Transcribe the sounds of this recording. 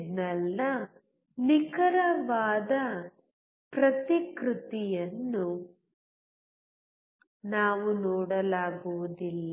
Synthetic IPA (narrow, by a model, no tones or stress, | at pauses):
nɐlːɐ | nikɐɾɐʋaːd̪ɐ | pɾɐt̪ikɾut̪ijɐnːu | naːʋunɔːɽɐlaːɡuʋud̪ilːɐ